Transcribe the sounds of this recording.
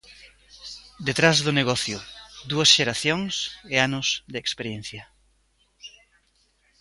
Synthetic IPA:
d̪et̪ɾazðʊneɣɔθjʊd̪uɐsʃeɾaθjoŋseanʊsd̪ɪːkspeɾjen̟θjɐ

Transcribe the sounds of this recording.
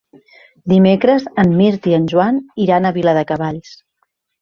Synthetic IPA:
d̪imekɾəzəmːiɾt̪iənʲʒwaniɾanəβiləðəkəβaʎs

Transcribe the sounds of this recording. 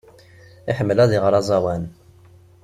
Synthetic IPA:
ɪħəmːəlæðiʁɾˤɑzˤɑwæn

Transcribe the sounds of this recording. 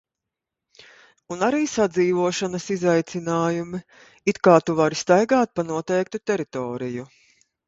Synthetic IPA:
unaɾiːsad̪ziːvuɔʃanɐsizajt̪sinaːjumi | it̪kaːt̪uvaɾst̪ajɡaːt̪̚panuɔt̪ɛjk̚t̪ut̪ɛɾit̪ɔːɾiju

